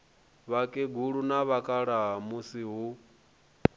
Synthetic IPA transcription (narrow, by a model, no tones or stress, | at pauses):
βakʼeɡuɺunaβakʼaɺaɦamusiɦu